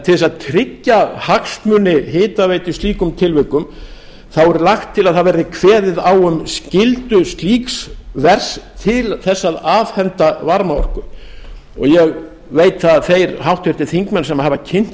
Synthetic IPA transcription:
t̪ʰɪɛsaðt̪ʰɾɪcːahakst̪mʏnːɪɦɪːt̪avejt̪ʏsiːkʏmt̪ʰɪlvʏkʏm | θawɛɾlaxt̪ʰːɪlaðhaðvɛɾðɪkʰvɛːðɪðawʏmscɪlt̪ʏst̪liːksvɛr̥st̪ʰɪlθɛsːaðaːvhɛnt̪avaɾmaɔ̰r̥kʏ | ɔ̰ɣjɛɣ | veːjt̪θaðθejɾhawht̪vɛɾ̥t̪ɪθiŋkmɛnsɛmahɦavacʰɪn̥t̪

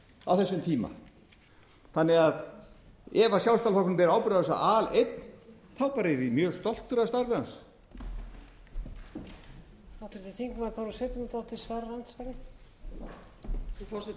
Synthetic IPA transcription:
a̰wθɛsːʏmt̪ʰiːma̰ | θanːɪɣað | ɛvasjawst̪alfɔknʏmpɛɾawpɪɾʏðɛsa̰ʔalejt̪n | θawpaɾɪɾɪmjœːst̪ɔl̥t̪ʏɾaðst̪aɾvɪans | awt̪ʰʏɾt̪ʰɪθiŋkmaɾθawɾsɛt̪ɪnut̪awt̪ʰɪlsvaːɾalant̪svajɾɪ | ufɔɾs

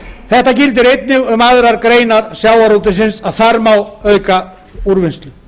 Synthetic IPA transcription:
θɛht̪acɪlt̪̬ɪɾejt̪̚nɪɣʏmaðɾaɾkɾeːjnaɾsjaːwaɾot̪ɪs̬ɪnsaðθaɾmawœɥka | uɾvɪnst̪lʏ

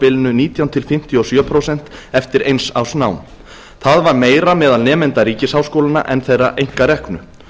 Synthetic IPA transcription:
pɪlɪnʏniːt̪jawnt̪ʰɪlfɪm̥t̪jɔsjœːpʰɾowsɛn̥t̪ɛft̪ɪɾʔejnsa̰wsnawm | θaðvaɾmeːjɾamɛːðalnɛːmɛnt̪aɾiːcɪshawskowlana̰ʔɛnθejrːaʔejŋ̥kaɾɛhknʏ

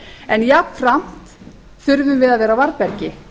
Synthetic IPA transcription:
ɛnjapnfɾam̥t̪ | θʏɾvʏmvɪðaðvɛːɾavaɾpɛɾcɪ

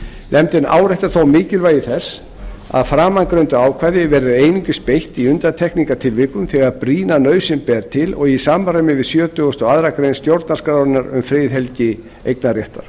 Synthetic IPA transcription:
nʔɛmt̪ɪna̰ːwɾɛht̪aɾθowmɪːcɪlvaːjɪθɛsː | a̰ðfɾaːmaŋkɾœɥnt̪ʏaːwkʰvaːjðɪvɛɾðʏeːjniɲcʏspejht̪iʏnt̪at̪ʰɛhkniŋkat̪ʰɪlvɪkʏmθɛɣaɾapɾiːnanœːɥsɪmpɛːɾt̪ʰɪlɔɣisaːmaramɪvɪðsjœːt̪ʏɣʏst̪ɔɣaðɾakɾejnst̪jowɾt̪nḁskɾaːɪnaɾʏ̰mfɾɪðɦɛlcɪ | ḛjknarjɛht̪aɾ̥

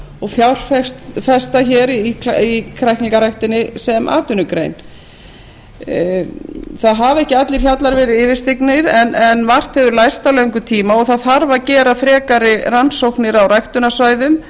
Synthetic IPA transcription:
ɔɣfjawr̥fɛst̪fɛst̪açɛːɾaikʰɾajhkniŋkaɾajht̪ɪnːɪsɛmʔa̰ːt̪ʏnʏkɾḛjn | θaðɦavɛhcɪat̪lɪɾ̥çat̪laɾvɛːɾɪðɪːvɪ̥st̪iknɪɾɛnʔɛnvar̥t̪hɛvʏɾlajst̪awlœɥŋkʏt̪ʰiːmaɔɣθaðθaɾvacɛːɾafɾɛːkaɾɪransowhknɪɾawrajht̪ʏnasvaːjðʏm

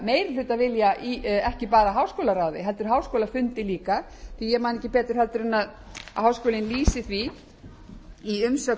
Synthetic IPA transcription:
meːjɾɪθɛt̪ːavɪljaɛhcɪpaːɾaɦaːwskoːwlaɾaːwðɪɦɛlt̪ʏɾ̥ɦaːwskowlafʏnt̪ɪliːka | θijɛmaːnɛcɪpɛːt̪ɪɾ̥ɦɛlt̪ʏɾɛnːað̰ | ɦaːwskoːlɪnliːsɪθvi | iʏmsœ

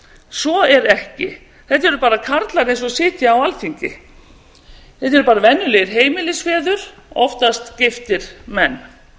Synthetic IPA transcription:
sɔɛɾɛhcɪ | θɛht̪ɛɾʏpaːɾakʰaɾt̪laɾẽjnsɔsɪːt̪jaːwalθʰiɲcɪ̰ | θɛht̪ɛɾʏpaːɾavɛnːʏlɛɣɪɾ̥ɦeːjmɪlɪsfɛːðʏɾ̥ɔ̰ft̪ast̪cɪft̪ɪɾ̥mɛnː

